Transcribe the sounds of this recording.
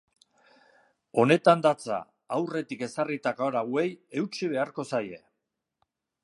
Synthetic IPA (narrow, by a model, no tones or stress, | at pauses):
o̞ne̞t̪and̪at͡sa̰ː | wre̞t̪ike̞sarit̪akaoɾawe̞je̞wt͡ʃiβ̞e̞aɾko̞saje̞